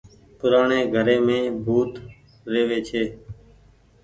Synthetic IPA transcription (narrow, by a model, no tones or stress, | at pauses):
pʊɾaːɳeːɡʱəɾeːmẽːbʱuːt̪ | ɾeːʋeːt͡ʃʰeː